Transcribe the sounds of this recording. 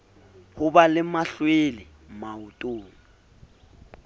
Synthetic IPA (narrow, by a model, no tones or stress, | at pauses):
hʊbalɪmaɬwelɪ | maʊtʼoːŋ̩